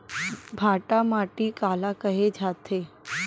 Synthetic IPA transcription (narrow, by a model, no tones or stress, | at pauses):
bʱaʈamaʈiːkalakəɦed͡ʒʱat̪ʰe